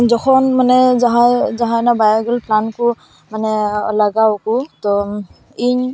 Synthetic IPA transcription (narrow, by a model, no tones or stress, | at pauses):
zɔkʰɔnmanɛzaɦajzaɦajnabajaɡɔlpʰlankʊ | manɛlaɡawkʊtɔ | iɲ